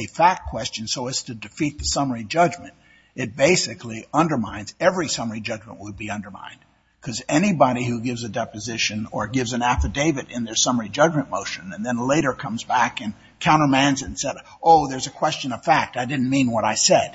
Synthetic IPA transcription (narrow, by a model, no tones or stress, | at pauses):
ɨfæk̚kʰw̥ɛst͡ʃɨ̃nsoʊɨz̥tʰɨdɨfit̪̚ðɨsʌmə˞id͡ʒʌd͡ʒmɨ̃nt | ɨt̚b̥eɪsɨkliʌ̃ndə˞mãɪ̃nz̥ɛvɹisʌmə˞id͡ʒʌd͡ʒmə̰̃nʔwəd̚biʌ̃ndə˞mã̰ɪ̃n | kʰʌzɛnibɑɾihʉɡɪvzɨdɛpɨzɪʃɨ̃nə˞ɡɪvzɨ̃næfɨdeɪvɨɾɪ̃nðə˞sʌmə˞id͡ʒʌd͡ʒmɨ̃nmoʊʃɨ̃nɨ̃nðɨ̃nleɪɾə˞kʰʌ̃mzbækɨ̃n | kʰãʊ̃ɾ̃ə˞mæ̃nzɨ̃nsɛɾ | ʔoʊðə˞zɨkʰw̥ɛst͡ʃɨ̃nʌv̥fæk̚taɪdɪdⁿn̩mĩnwʌɾaɪsɛd̥